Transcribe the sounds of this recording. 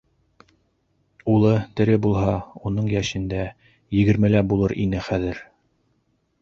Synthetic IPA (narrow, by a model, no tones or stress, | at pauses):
ulˠɤt̪ɘ̆ɾɘbulˠɦɑunɤɴjæʃɘ̆nd̪æ | jɘ̆ɡɘ̆ɾmɘlæbulˠɤɾʔinɘχæðɘɾ